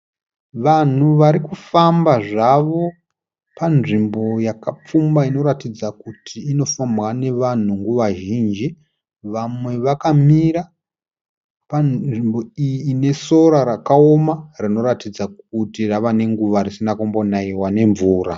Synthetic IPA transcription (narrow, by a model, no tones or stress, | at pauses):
ʋan̤uʋaɾikufambaʐaʋo̞ | panʐimbo̞jakap͡fumbaino̞ɾatid͡zakutʰiːno̞famwane̞ʋan̤uŋɡuʋaʒiːnd͡ʒi | ʋamwe̞ʋakamiɾa | paʐimbo̞ijiːne̞so̞ɾaɾakao̞marino̞ɾatid͡zak̚utiraʋane̞ŋɡuʋaɾisinakombo̞naiwane̞ɱvuːɾa